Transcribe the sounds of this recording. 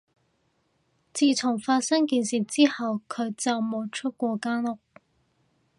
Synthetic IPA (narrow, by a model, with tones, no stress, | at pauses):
t͡siː˨˧t͡sʰʊ˨˩ŋfaː˧t̚sɐ˥ŋkiː˧nsiː˨t͡siː˥hɐ˨wkʰɵ˨˧ɥt͡sɐ˨wmo˨˧wt͡ʃʰɵ˥t̚kʷɔː˧kaː˥nlʊ˨˩k̚